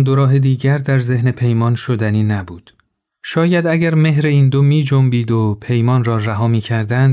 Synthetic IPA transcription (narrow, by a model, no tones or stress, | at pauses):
nd̪oɾɒːɦe̞d̪iːɟæɾd̪æɾze̞hne̞pʰe̞jmɒːnʃod̪æniːnæbuːd̪̥ | ʃɒːjæd̪æɟæɾme̞ɦɾe̞iːnd̪omiːd͡ʒombiːd̪opʰe̞jmɒːnrɒːræɦɒːmiːcʰæɾd̪ænd̪